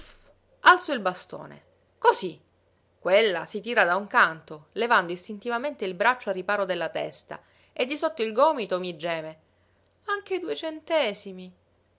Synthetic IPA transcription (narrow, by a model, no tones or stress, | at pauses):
alt̪soilbast̪o̰ːnḛ | kozi | kːwelːa̰sit̪iːɾad̪auŋkant̪olevand̪oist̪int̪ivament̪eilbɾat͡ʃːoarːipaːɾod̪elːat̪ɛst̪a̰ | ed̪ːisot̪ːoilɡɔːmit̪omid͡ʒɛːme | aŋk̟ed̪uet͡ʃent̪ɛːsimi